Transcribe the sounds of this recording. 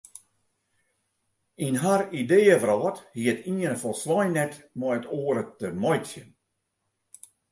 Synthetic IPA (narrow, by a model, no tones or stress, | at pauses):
inɦarideːəvəɾɔːthiətʰiənəfɔlˠsʋɔjnɛtmɔjətoəɾətəmɔjtsjən